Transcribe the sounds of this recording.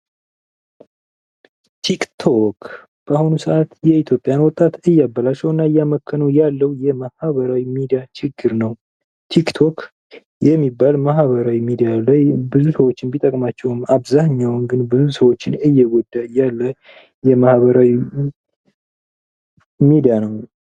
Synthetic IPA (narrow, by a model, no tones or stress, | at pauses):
t̪ʰikt̪ʰok | b̥əahunusəʔat̪jɛit̪ʰjo̞pʼjanwɔt̪ʼat̪ɨjːabːalat͡ʃːɛwɨnːaɨjaməkʰːənəwjalːəwjɛmahβəɾawimid̪ijat͡ʃɪɡːɨɾnəw | t̪ʰikt̪ʰok | jɛmːibːalmaɦβəɾawimid̪ijalajbɨzusəwo̞t͡ʃːɪnbit̪ʼəkʼmat͡ʃːɛwɨmaβzahɲːawnɡɨnbɨzusəwo̞t͡ʃːɪnɨjːɛɡʷɔd̪ːajalːə | jɛmahβəɾawi | mid̪ijanəw